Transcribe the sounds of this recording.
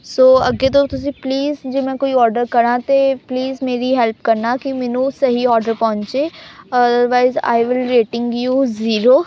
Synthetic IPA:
soːɐɡet̪̬ot̪ʊs̬ĩpliːzd͡ʒeːmɛ̃ːkoːiɔːɾɖəɾkɐɾãːt̪epliːzmeːɾiɦɛlpkɐɾnaːkimɛːnũsɐɦiɔːɾɖəɾpɔ̃ːɲt͡ʃeːɐd̪əɾʋaːɪza̰ːɪʋɪlɾeːʈɪ̃ŋɡjuːziːɾoː

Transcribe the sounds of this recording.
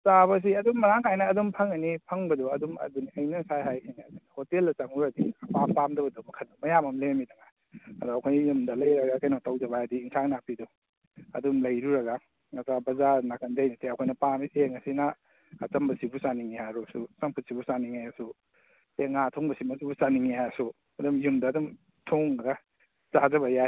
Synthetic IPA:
saβɐs̬iɐdumːɐɾaŋhajnɐːdumpʰɐŋɐnipʰɐŋbɐdɔɐdumɐ̰duniɐjnɐsajɦajsʰinaːdunɐhotelːɐt͡ʃɐŋuɾɐdiɐpampamdɐbɐdumɐkʰɐnɐmɐjamɐmlemidɐŋa | ɐ̰dɔɐkʰojjumdɐlɐjɾɐɡakʰɐjnɔtawzɐβaadiːŋsʰaŋnapidɔ | ɐ̰dumlɐjɾuɾɐɡa | ŋasabɐzaɾnakɐndɐjnɐteɐkʰojnɐpamiseŋɐsinaː | t͡ʃɐmbɐsibusaniŋihaɾosusɐmpʰut̚sibusaniŋajasu | teŋatʰoŋbɐsimɐsubusaniŋihasu | ɐdumjumdɐːdum | tʰoŋɾa | zazɐβɐja

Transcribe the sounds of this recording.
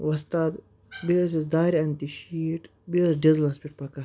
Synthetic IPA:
ʋɐst̪ad̪ | bisisd̪aːɾiɐnt̪iʃiːʈ | bisɖizlɐspʲiʈ̚pɐka

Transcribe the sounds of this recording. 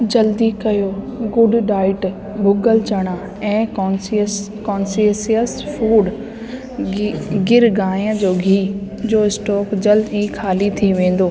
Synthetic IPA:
d͡ʑɐld̪ikɐjoːɡʊɖɖaːɪʈ | bʱʊɡəlt͡ɕɐɽ̃a | ɛ̃ːkɔːsis | kɔːnsiəsijəsfuːɖ | ɡɪɾɡãːə̃d͡ʑoːɡʱiː | d͡ʑoːɪsʈɔːkd͡ʑɐld̪ikʰaːlit̪ʰiʋẽːn̆d̪oː

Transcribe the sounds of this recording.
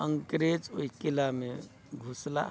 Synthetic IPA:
əŋkɾed͡ʒoikilame | ɡʱusla̰

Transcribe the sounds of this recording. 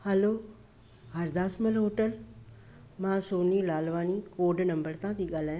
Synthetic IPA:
hɐloː | ɦɐɾd̪aːsməlɦoːʈəl | mãsoːniːlaːlʋaːnikoːɖnɐ̃mbəɾt̪ãt̪iːɠaːlaːj̃

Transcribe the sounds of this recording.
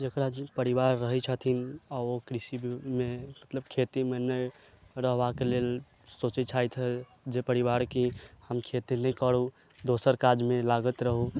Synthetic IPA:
d͡ʒekɾad͡ʒipəɾiʋaɾːəɦɛt͡ʃʰət̪ʰinaokɾisibmemət̪ləb̚kʰet̪imenəj | ɾəɦbakelel | sot͡ʃit͡ʃʰajt̪ʰɦɛ | d͡ʒepəɾibaɾkihəmkʰet̪inəikəɽu | d̪osəɾkad͡ʒmẽlaɡət̪ɾəɦu

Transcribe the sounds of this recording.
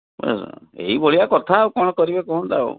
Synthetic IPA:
o̰sɔ̰ḛɦiboɭiakɔt̪ʰaːwkɔɽ̃ɔkɔɾibekɔɦund̪aṵ

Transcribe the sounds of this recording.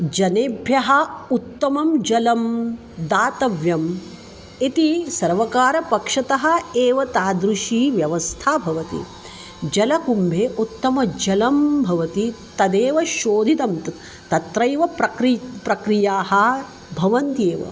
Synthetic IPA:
d͡ʒɐneːbʱjɐɦɐut̪ːɐmɐmd͡ʒɐlɐm | d̪aːt̪ɐʋjɐm | it̪isɐɾʋɐkaːɾɐpɐkʂɐt̪ɐɦɐ̆eːʋɐt̪aːd̪ɾuʃiːʋjɐʋɐst̪ʰaːbʱɐʋɐt̪ḭ | d͡ʒɐlɐkumbʱeːʔut̪ːɐmɐd͡ʒɐlɐmbʱɐʋɐt̪it̪ɐd̪eːʋɐʃoːd̪ʱit̪ɐmt̪ | t̪ɐt̪ɾɐjʋɐpɾɐkɾipɾɐkɾijaːhɐ | bʱɐʋɐnt̪eːʋɐ̰

